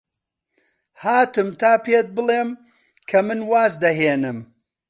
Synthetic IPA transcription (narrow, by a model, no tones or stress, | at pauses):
haːt̪ɨmt̪ʰaːpeːt̪̚bɨlˠeːm | kʰɐmɨnwaːzd̪ɐɦeːnɨm